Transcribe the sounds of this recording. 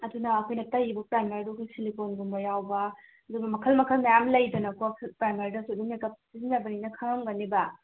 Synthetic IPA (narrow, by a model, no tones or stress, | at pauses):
ɐdunɐːkʰojnɐtɐjibɐpɾajmɐɾdukʰojsiliponɡumbɐjawbɐ | ɐduɡɐmɐkʰɐlmɐkʰɐlmɐjamlɐjdɐnɐkokʰpɾajmaɾidɐsudumekɐp̚sizinabɐninɐkʰaŋamɡɐnibɐ